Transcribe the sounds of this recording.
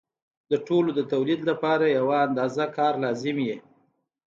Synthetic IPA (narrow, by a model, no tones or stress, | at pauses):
d̪əʈolod̪ət̪awlid̪lapɑɾajawaːnd̪ɑzakɑɾlɑzɪmje